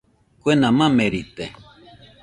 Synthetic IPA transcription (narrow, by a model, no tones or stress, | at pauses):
kwenamãmeɾit̪e